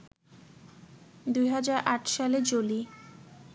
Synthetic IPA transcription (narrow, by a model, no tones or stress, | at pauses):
d̪ujɦad͡ʑaɾʔaʈʰʃaled͡ʑoli